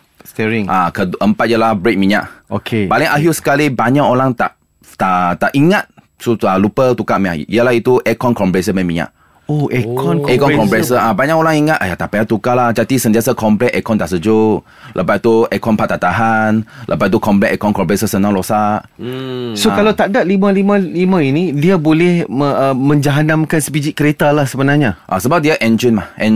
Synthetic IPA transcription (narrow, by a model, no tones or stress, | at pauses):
st̪ɛɹĩŋʔakədʔəmpat̪̚jəlahbɹek̚mĩɲa̰ʔokʰepalɪŋʔaɦjusə̥kalibaɲaʔoɾaŋt̪aʔ | t̪aʔt̪aʔiŋat̪̚ | sualupət̪ukaʔmiɲaiəlahit̪uʔɛkɔnkɔmplɛsəbɛmĩɲa̰ʔ | oɛkɔnɛkɔnkɔmɹɛsəabaɲaʔkoɾaŋiŋat̪ʔajat̪aʔpaat̪ukalahd͡ʒat̪isənt̪iasakɔmplɛʔ̪ʔɛkɔnt̪aʔsəd͡ʒo | lʔəpat̪̚t̪uɛkɔnpat̪at̪aɦanlʔəpat̪̚t̪ukɔmplɛɛkɔnkɔmblesəsənãŋlosaʔ | sokalawt̪aʔdaʔlimãlimãlimãinidiabolɛhəəmə̃ɲd͡ʒaɦanamkansəpid͡ʒit̚kəɾet̪alahsəbənaɲaʔa̰səbap̚diaʔɛnd͡ʒənmahhʔɛ